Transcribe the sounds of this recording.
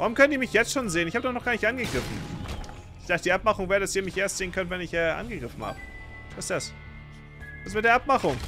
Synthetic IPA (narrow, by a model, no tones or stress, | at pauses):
vaːʁʊmkʰœnəndiːɐmɪçjɛt͡stʃoːnzeːənɪçhaːbədɔχnɔχɡ̥aːnɪçtʔanɡəɡʁɪfn̩ | ɪçz̥aːɡəd̥iʔap̚maχʊŋveːʁədasiːɐmɪçʔeːɐstz̥eːənkʰœntvɛnɪçʔɛːʔa̰nɡəɡʁɪfn̩ha̰ːbə | v̥asɪstd̥as | vasmɪt̚deːɐʔapmaχʊŋ